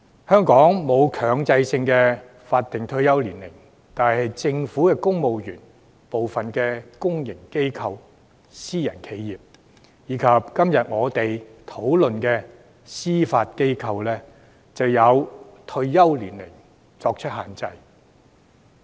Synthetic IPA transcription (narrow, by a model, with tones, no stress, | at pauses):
hœː˥ŋkɔː˨˥ŋmo˨˧wkʰœː˨ŋt͡sɐ˧jsɪ˧ŋkɛː˧ | faː˧t̚t̪ɪ˨˩ŋt̪ʰɵ˧ɥjɐ˥wliː˨˩nlɪ˨˩ŋ | t̪aː˨˩nhɐ˨jt͡sɪ˧ŋfuː˨˥kɛː˧kʊ˥ŋmo˨wjyː˨˩n | po˨wfɐ˨nkɛː˧kʊ˥ŋjɪ˨˩ŋke˥jkʰɐ˧w | siː˥jɐ̰˨˩nkʰe˨˧jːiː˨p̚ | jiː˨˧kʰɐ˨p̚kɐ˥mjɐ˨t̚ŋɔː˨˧t̪e˨jt̪ʰo˨˥wlɵ˨nkɛː˧ | siː˥faː˧t̚ke˥jkʰɐ˧wlɛː˥ | t͡sɐ˨wjɐ˨˧wt̪ʰɵ˧ɥjɐ˥wliː˨˩nlɪ˨˩ŋ | t͡sɔː˧k̚t͡ʃʰɵ˥t̚haː˨nt͡sɐ˧j